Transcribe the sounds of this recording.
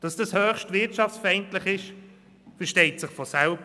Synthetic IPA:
d̥ɑsd̥ɑshøːχʃtvɪtt͡ʃɑft͡sfɛɪntlɪχɪʃ | fɛʃtɛɪtsɪχfɔsɛlb

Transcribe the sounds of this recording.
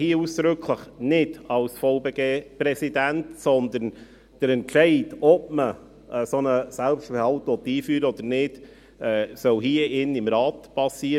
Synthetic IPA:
hiəuːsd̪̥ɾʏkʰləχnɪdɑlsfoʊbeːɡeːpɾɛsidæntsɔnd̪ən | d̥əɾɛntʃɛɪtɔp̚mə | ʔsɔnəsɛlpstfəɾhɑltʋɔt̪iːfyːɾəɔd̪̥əɾnɪd̥ | ɛːsœwɦiəɪnɪmɾɑːtpɑsiːəɾ

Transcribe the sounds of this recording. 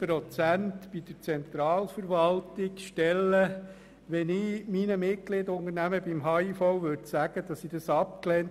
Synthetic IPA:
pɾɔt͡sæntb̥id̥̪əɾt͡sɛnt̪ɾɑːlfəɾʋɑlt̪ɪkʃtɛlːə | ʋɛnɪminəmɪt̚klɪd̪əʊnənæməbimɦɑːifɔwʋøɾdsæɡ̥əd̥ɑsid̥ɑsɑp̚klɛn

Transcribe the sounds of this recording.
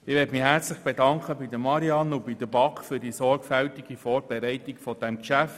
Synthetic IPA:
ɪʋɛːtmɪhɛɾt͡slɪχb̥edɑŋkχəbidəmɑɾiɑnob̥id̥əbɑkfyːɾd̥isɔɾɡfæltiɡ̥ifɔːɾb̥ɛɾɛɪtɪɡfɔd̥ɛmkʃæft

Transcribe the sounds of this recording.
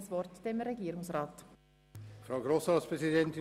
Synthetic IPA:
sʋɔrtd̥emɾɛɡiːɾʊŋsrɑːt | fɾaʊɡɾosɑspʁɛsidɛnt̪ɪ

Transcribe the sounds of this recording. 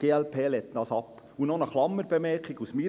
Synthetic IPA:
ɡ̥eːɛlpʰeːlɛtdɑːsɑpː | unɔnəχlɑmːəɾb̥ɛmɛɾkɪɡusmi

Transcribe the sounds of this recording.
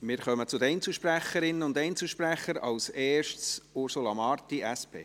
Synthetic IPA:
mɪːɾχœmət͡sʊd̪əɛɪnt͡sl̩ʃpɾæχəɾɪnːəʊnd̪ɛɪnt͡sl̩ʃpɾæχːəɾɑ̰lsɛːʃtsʊɾsulɑmɑɾtiʔæspʰḛː

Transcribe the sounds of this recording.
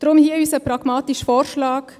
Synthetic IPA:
d̥ɾʊmhiːəyːsəpɾɑɡ̥mɑːt̪iʃfɔːɾʃlɑːk

